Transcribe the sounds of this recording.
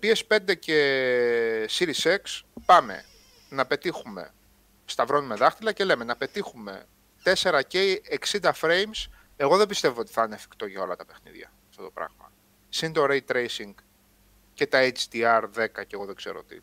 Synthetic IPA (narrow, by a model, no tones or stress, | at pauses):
pie̞spe̞nd̪ece̞ | siɾisekspɐme̞̰ | nɐpe̞t̪ixume̞̰ | st̪ɐvɾo̞nimeðɐxt̪ilɐce̞le̞me̞nɐpe̞t̪ixume̞̰ | t̪e̞se̞ɾɐce̞eksind̪ɐfɾe̞jms | e̞ɣo̞ðebist̪e̞voot̪i̥θɐineɐfi̥kt̪o̞ʝɐo̞lɐt̪ɐpe̞xnḭðʝɐ̰ | ɐft̪o̞t̪o̞pɾɐ̰ɣmɐ̰ | sint̪o̞ɾeit̪ːɾejsiŋɡ | ce̞t̪ɐet͡ʃt̪iɐɾðe̞kɐceɣo̞ðeɡ̥z̥e̞ɾoot̪ḭ